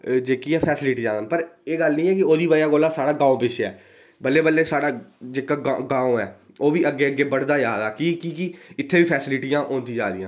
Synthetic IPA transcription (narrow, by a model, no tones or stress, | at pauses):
d͡ʒeːkiːɛːpʰɛːsɪlɪʈiːd͡ʒãːd̪ənpəɾeːɡəlnĩːɛːkɪoːd̪iːbəjaːɡoːlaːsaːɽaːɡãːõːpɪʃɛː | bəlːeːbəlːeːsaːɽaːd͡ʒeːkaːɡaɡãːõɛː | oːʋiːʔəɡːeːəɡeːbəɽd̪aːjaːd̪aːkiːkiːkiɪt̪ʰːeːʋiːpʰɛːsɪlɪʈijãːʔõːnd̪ĩːd͡ʒa̰ːd̪ijãː